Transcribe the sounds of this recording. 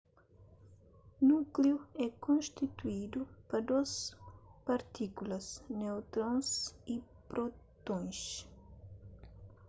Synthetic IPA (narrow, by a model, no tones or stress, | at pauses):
nukliuɛkõnst̪it̪uid̪upɐd̪ospɐɾt̪ikulɐsnewt̪ɾõnsi | pɾot̪õj̃s